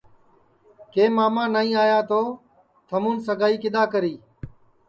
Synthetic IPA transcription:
keːmaːmãːnaːĩːaːjaːt̪oː | t̪ʰəmuːnsəɡaːiːkɪɗ̪aːkəɾiː

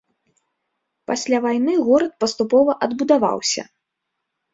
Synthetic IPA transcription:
pasʲlʲavajnɨɣɔɾɐt̪̚pɐst̪upɔvɐʔɐd̪bud̪ava̰wsʲɐ̰

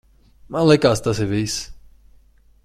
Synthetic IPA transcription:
malɛkast̪asevejs

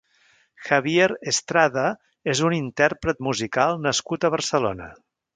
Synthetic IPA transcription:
xəβjeɾest̪ɾaðə | ezunint̪ɛrpɾət̪muzikalˠnəskut̪əβ̞ərsəlonə̰

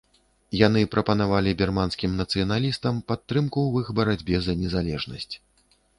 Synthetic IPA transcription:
jan̪ɨpɾʔɐpɐnavalʲibʲɛrmanskʲimnɐt̪sɨjɐnalʲist̪ɐmpat̪ːɾɨmkuwɨxbɐɾad͡zʲbʲɛzɐnʲɛzalʲɛʐnɐsʲt͡sʲ

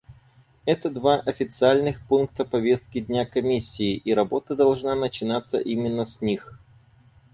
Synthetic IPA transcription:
ɛt̪əd̪vaʔɐfʲɪt̪sɨalʲnɨxpunkt̪əpɐvʲe̞st̪̚kʲɪd̪ʲnʲakɐmʲisʲːɪːʔiɾɐbo̞t̪əd̪ɐlˠʐnanət͡ɕɪnat̪sːə̰ʔimʲɪnːəsʲnʲix

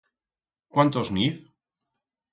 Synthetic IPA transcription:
kwant̪ozniθ

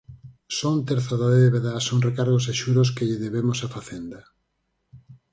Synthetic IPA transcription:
sont̪eɾθaðoeðeβeðasoŋrekaɾɣos̬eʃuɾoskeʎɪðeβemʊsafaθend̪ɐ

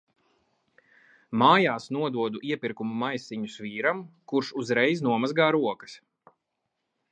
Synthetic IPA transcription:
maːjaːsnuɔd̪uɔd̪uʔiɛpiɾkumumajsiɲusviːɾamkuɾʃuzɾɛjznuɔmazɡaːɾuɔkɐ̥s

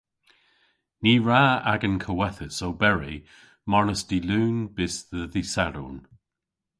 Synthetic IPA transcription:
niːɹaːaɡənkʰəwɛθəsowbɛɹḭ | mɔnəsd̥iluːnb̥ɪsðəðisaɾṵn

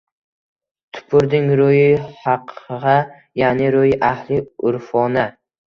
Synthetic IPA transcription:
t̪ʰʊ̥pʰʊɾd̪ɪŋɾojɪhɑqʰʁɑ | janɪɾojɪʔahlɪʊɾfɒna

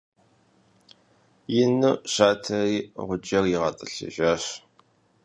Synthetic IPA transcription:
jɪnɨɕaːtʰɐriːʁʷʊd͡ʒɐrjɪʁɐtʼɨɬɐ̰ʒaːɕ

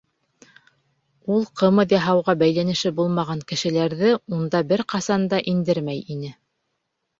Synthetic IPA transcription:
ulˠqɤ̆mɤðjɑɦɑwʁɑbæjlænɘ̆ʃɘbulˠmɑʁɑŋkɘ̆ʃɘ̆læɾðɘund̪ɑbɘɾqɑsɑnd̪ɑʔind̪ɘɾmæjinɘ

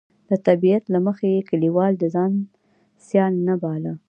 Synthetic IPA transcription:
d̪̥ət̪abijat̪laməxeekaliwɑld̪əzɑn | sjɑlnabɑlə

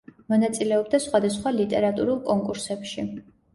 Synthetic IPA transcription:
mɔnat̪sʼilɛɔb̚d̪asχwad̪asχwalit̪ʼɛɾat̪ʼuɾulˠkʼɔŋkʼuɾsɛpʃi

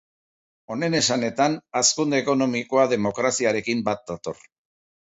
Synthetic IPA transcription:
o̞ne̞ne̞sane̞t̪anaskund̪eːko̞no̞miko̞aðe̞mo̞kɾasiaɾe̞kimbat̪̚d̪at̪o̞̰r

